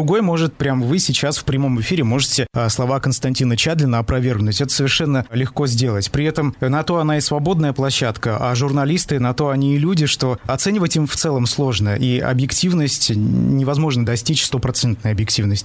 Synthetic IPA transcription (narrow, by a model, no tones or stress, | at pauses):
ɾʊɡo̞jmo̞ʐɨt̪̚pɾʲamvɨsʲɪt͡ɕasfpɾʲɪmo̞mɨfʲiɾʲɪmo̞ʐɨtʲɪslˠɐvakənst̪ɐnʲtʲinət͡ɕad̪lʲɪnːəɐpɾɐvʲe̞rɡnʊtʲɛt̪ə̥səvʲɪrʂɛnːəlʲɪxko̞zʲdʲe̞lˠətʲpɾʲɪɛt̪əmnɐt̪o̞ɐnaɪsvɐbo̞d̪nəjəplˠɐɕːat̪kəʔaʐʊrnɐlʲist̪ɨnɐt̪o̞ɐnʲiːlʲudʲɪʂt̪o̞ɐt̪sɛnʲɪvətʲimft̪sɛlˠəmslˠo̞ʐnəʔiɐ̰bjɪktʲivnəsʲtʲnʲɪvɐzmo̞ʐnəd̪ɐsʲtʲit͡ɕst̪o̞pɾɐt̪sɛnt̪nʊjɐbjɪk̚tʲivnəsʲtʲɪ